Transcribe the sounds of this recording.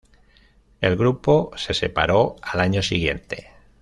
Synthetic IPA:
e̞lɣɾupose̞se̞pa̰ɾo̞alaɲosiɣje̞nt̪e̞

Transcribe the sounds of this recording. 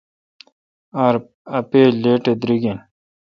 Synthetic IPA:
aɾ | ɐpeːleːʈed̪ɾiɡin

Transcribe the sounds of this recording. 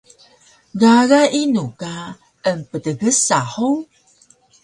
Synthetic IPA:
ɡaɾaʔinuka | əmpətəɡəsaħu

